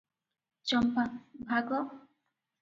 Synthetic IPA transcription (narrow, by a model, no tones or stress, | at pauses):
t͡ʃɔmpabʱaɡɔ